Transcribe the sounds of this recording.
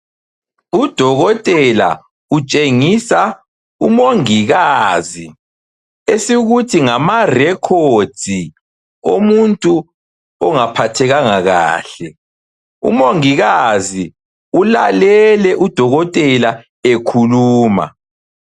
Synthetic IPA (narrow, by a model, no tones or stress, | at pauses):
ud̥ʱɔɣɔtʼɛla̰ | ut͡ʃʼeŋisa | umoŋiɣazi | esiɣutʰiŋamarɛkʰod̥ʱi | omuntʼu | ɔŋapʰatʰɛɣaŋaɣa̰ːɬɛ | ṵmoŋiɣazi | ulalɛlɛʔud̥ʱɔɣɔtʼɛla | ekʰuluːma̰